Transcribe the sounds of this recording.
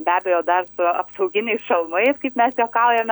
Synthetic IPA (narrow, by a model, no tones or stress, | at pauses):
bʲæːbʲɛjoːd̪ɐrsʊɐpsɐʊɡʲɪnʲɛɪsʃɐlˠmɐɪskɐɪpmʲɛsjoːkɑʊjɛmʲ